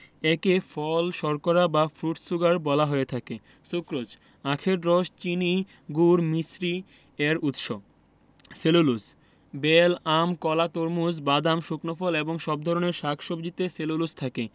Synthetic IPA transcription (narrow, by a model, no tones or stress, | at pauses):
ɛkefʰɔlʃɔɾkoɾabafɾuʈsuɡaɾbɔlaɦoet̪ʰake | ʃukɾod͡ʑ | akʰeɾɖɾɔʃt͡ɕini | ɡuɾmisɾi | ɛɾut̪ʃo | selulus | belamkɔlat̪oɾmusbad̪amʃuknofɔleboŋʃɔb̚d̪ʱɔɾoneɾʃakʰʃob̚d͡ʑit̪eselulust̪ʰake